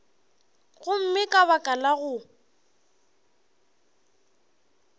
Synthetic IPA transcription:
ɣʊm̩mɪkʼaβakʼalaɣʊ

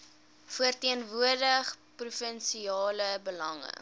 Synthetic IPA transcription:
fuərtiənvuərdəχprufənsiɑːləbəlɐŋə̰

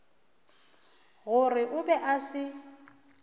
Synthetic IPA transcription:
ɣʊrɪʔʊbɛʔasɪ

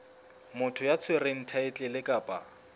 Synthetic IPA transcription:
mʊtʰʊjat͡sʰwereŋ̩tʰaɪt͡ɬʼɪlɪkʼaːpʼa̰

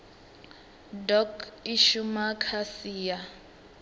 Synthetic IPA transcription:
dɔkiʃumakʰasiːja

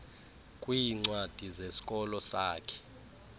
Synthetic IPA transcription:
kʼwiːŋ͡ǀwad̥ʱizesi̥kʼɔlɔsaːkʰɛ̥

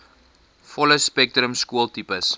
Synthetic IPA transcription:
fɔləspɛk̚tɾəmskuəlˠtipəs

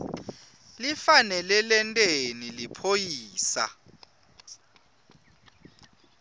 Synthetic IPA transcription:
lifanɛlɛlɛntʼenilipʰojiːsa̰

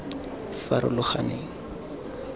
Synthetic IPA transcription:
faɾʊ̰lʊχaneːŋ̩

